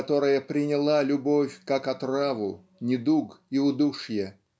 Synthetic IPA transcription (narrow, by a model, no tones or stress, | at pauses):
t̪o̞ɾəjəpɾʲɪnʲɪlˠalʲʊbofʲkakɐt̪ravʊ | nʲɪd̪uɡiʊd̪uʂjɛ